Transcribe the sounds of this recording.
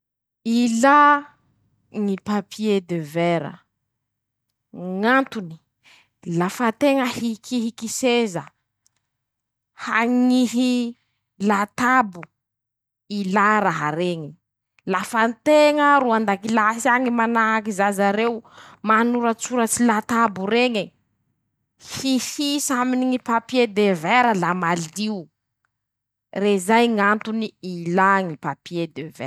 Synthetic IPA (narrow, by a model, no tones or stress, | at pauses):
ila | ŋipapʰied̪eveɾə̰ | ŋant̪uni̥ | lafat̪eŋəhikiɦikisezə | haŋiɦi | lat̪abu | ilaɾaɦaɾeŋi | lafant̪eŋəɾuand̪akilasiaŋimanaakizazaɾewmanuɾət͡suɾət͡silat̪abuɾeŋi | hihisaminiŋipapied̪eveɾəlamaliu | rezajŋant̪uniilaŋipapied̪evḛ